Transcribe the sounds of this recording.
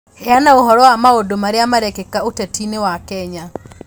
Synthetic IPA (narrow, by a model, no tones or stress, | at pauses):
ɛanaoɦɔɾɔwamaodomaɾeamaɾɛkɛkaotatinewakɛɲa